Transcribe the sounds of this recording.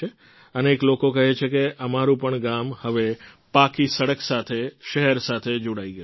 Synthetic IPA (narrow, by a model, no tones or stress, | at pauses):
e | əneːklokokəɦet͡ʃʰekeʔəmaɾũpəɳɡamhəʋe | pakisəɽəksat̪ʰeʃəɦɛɾsat̪ʰed͡ʒoɽaiɡəju